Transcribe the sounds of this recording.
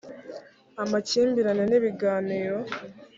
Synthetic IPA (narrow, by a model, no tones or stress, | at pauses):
amaciːmbiɾaneniβiɡaːniːɾo̞